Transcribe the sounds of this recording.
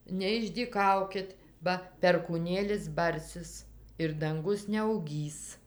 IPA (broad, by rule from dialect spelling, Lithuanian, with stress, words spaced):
nʲɛɪʒʲdʲiːˈkɐʊkʲɪt ˈbɐ pʲɛrkuːˈnʲeːlʲɪs ˈbɐrʲsʲɪs ɪr dɐŋˈɡʊs nʲɛɐʊˈɡʲiːs